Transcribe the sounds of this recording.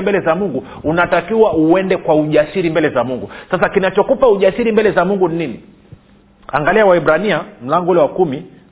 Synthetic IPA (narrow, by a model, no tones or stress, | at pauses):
mbɛlɛzamuŋɡu | unatakiwauɛndɛkwauʄasiɾimbɛlɛzamuŋɡusasakinat͡ʃɔkupauʄasiɾimbɛlɛzamuŋɡuninini | a̰ŋɡaliawaɛɓɾaniam̩laŋɡɔulɛwakumi